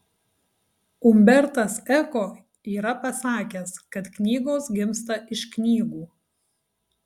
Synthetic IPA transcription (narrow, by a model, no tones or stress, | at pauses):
ʊmʲbʲɛɾt̪ɐsɛkoː | iːɾɐpɐsɑːkʲɛskɐt̪knʲiːɡoːsɡʲɪmst̪ɐʔɪʃknʲiːɡuː